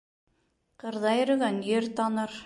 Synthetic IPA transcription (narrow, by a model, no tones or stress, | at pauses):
qɤɾðɑjɾɵ̆ɣænjeɾt̪ɑnɑɾ